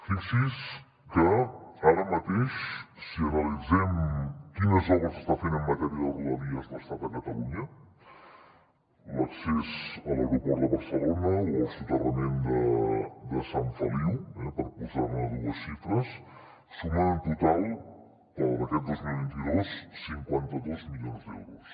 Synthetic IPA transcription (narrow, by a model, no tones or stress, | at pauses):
fisis | kəaɾəmət̪eʃ | siənəlid͡zɛmkinəzɔβəzəst̪afenəmːət̪əɾialˠðələðiəzðəst̪at̪əkət̪əluɲə | ləksezələɣɾupɔɾðəβəɾsəlonəoəlˠsut̪ərəmend̪əd̪əsaɱfəliwɛpəɾpuzanəðuəsʃifɾəs | səβaənt̪ut̪alˠ | əlmət̪ɛd̪ozmilˠβint̪iðosːiŋkwant̪əðozmiʎonzd̪ɛ̰wɾus